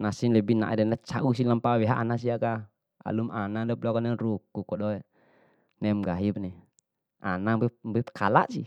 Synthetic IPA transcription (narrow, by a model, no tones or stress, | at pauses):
nasinlɛbina̰ʔɛdɛnlat͡ʃaʔus̬ilampawɛɦaʔanas̬iaka | a̰lumanadɔplɔkɔnɛrukukɔɗɔɛ | nɛmɡaɦibnɛ | ʔa̰nabɛbɛpkʰala̰ʔsḭ